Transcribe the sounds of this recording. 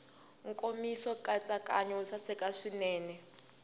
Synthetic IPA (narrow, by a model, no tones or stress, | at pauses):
ŋkʼomisɔkʼat͡sʼakʼaɲɛusasɛkʼaʂinɛːnɛ